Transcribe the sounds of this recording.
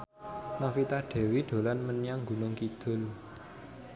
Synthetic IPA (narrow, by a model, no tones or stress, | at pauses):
nafit̪aɖ̪̥e̤wid̪̥o̤lanmənijaŋɡṳnʊŋkid̪̥ʊ̤l